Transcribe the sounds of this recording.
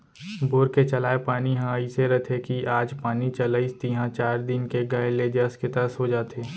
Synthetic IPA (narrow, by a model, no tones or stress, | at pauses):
boːɾket͡ʃɐlaːepaːniɦãiseɾət̪ʰekiaːd͡ʒpaːnit͡ʃɐləɪst̪iɦãt͡ʃaːɾd̪ɪnkeɡaeleːd͡ʒəskɪt̪əəsɦod͡ʒaːt̪eː